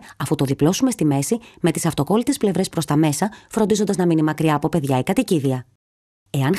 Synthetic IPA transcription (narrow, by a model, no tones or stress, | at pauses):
ɐfut̪o̞ðiplo̞sume̞st̪ime̞sime̞t̪i̥sɐft̪o̞ko̞lit̪e̞sple̞vɾe̞spɾo̞st̪ɐme̞sɐfɾo̞nd̪izo̞nd̪ɐznɐminimɐkɾiɐːpo̞pe̞ðʝɐikɐt̪iciðiɐ | e̞ɐn